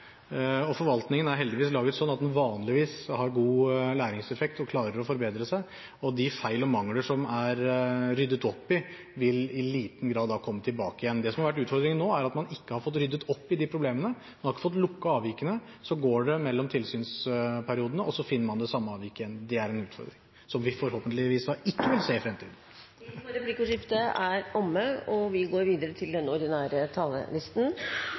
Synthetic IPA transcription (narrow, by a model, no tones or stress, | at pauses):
ɔfɔɾʋɑlt̪nɪŋənæɾɦɛld̪ɪʋiːslɑːɡət̪sɔnːɑt̪d̪ɛnʋɑːnlɪʋiːshɑɾɡuːlæːɾɪŋsɛfɛk̚t̪ɔkʰlɑːɾəɾɔfɔɾbeːd̪ɾəsæɪ | ɔd̪ɪfæɪlɔmɑŋːləʂɔmæɾɾʏd̪ːət̪ɔpːɪ | ʋɪlɪliːt̪n̩ɡɾɑːd̪dɑːkʰɔmːət̪ʰɪlbɑːkəɪjɛnːd̪ɛsɔmɑɾʋæʈ̬ːʉːt̪fɔɾd̪ɾɪŋənːoːæɾɑt̪mɑnɪkːəhɑɾfɔt̪̬ːɾʏd̪ːət̪ɔpːɪd̪ɪpʰɾʊbleːmənə | mɑnhɑɾɪkːə̥fɔt̪̬lʊkːɑɑːʋɪkənəsɔɡoːɖɛmɛlːɔmt̪ʰɪlsyːnspʰæɾɪuːd̪ənəʔɔsɔfɪnːəɾmɑnd̪ɛsɑmːəɑːʋɪkəɛnd̪ɛæɾɛnʉːt̪fɔ̰ɾd̪ɾɪŋ | sɔmʋɪfɔɾhoːpənt̪lɪʋiːsd̪ɑɪkːəʋɪlseːɪfɾɛmt̪ʰiːd̪n̩ | ɾɛplikəʂɪft̪əæɾɔmːəɔʋɪɡoːɾʋiːd̪əɾət̪ʰɪld̪ɛnːəɔɾd̪ɪnæːɾət̪ʰɑlːə̰lɪst̪n̩